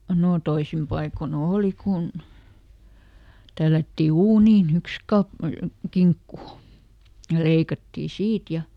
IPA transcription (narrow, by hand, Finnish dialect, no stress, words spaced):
noˑ toisim pɑikon oˑli kun tælːætːi uːniːn yks kɑp kiŋkːu jɑ leikɑtːiː siːt jɑ